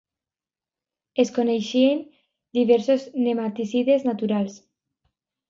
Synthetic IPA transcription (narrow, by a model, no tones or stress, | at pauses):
eskonejʃien | d̪iβeɾsoznemat̪isiðeznat̪uɾals